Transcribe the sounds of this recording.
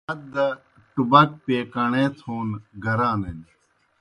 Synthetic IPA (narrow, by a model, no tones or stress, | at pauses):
ɐt̪̚d̪ɐ | ʈubɐk̚peːkɐɳeːt̪ʰoːnɡɐɾaːnɐn